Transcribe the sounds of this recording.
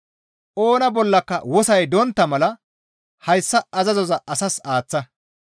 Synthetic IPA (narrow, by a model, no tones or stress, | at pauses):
ʔoːnɐbɔlːɐkːɐwɔsɐjd̪ɔnt̪ːɐmɐlɐ | hɐjsːɐɐzɐzɔzɐɐsɐsaːt͡sːɐ